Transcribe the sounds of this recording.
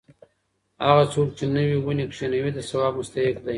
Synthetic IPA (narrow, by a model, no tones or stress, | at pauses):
aɣasok̚t͡ʃenəwiɣunekʂenawid̪asawabmʊst̪ahɪkd̪aj